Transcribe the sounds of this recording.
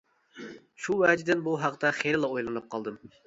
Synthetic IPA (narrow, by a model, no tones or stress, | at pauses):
ʃuwɛːd͡ʒd̪ɪnbuɦɑqt̪ɑχeɾlˠɑojlˠɨnɨp̚qʰɑlˠd̪ɨm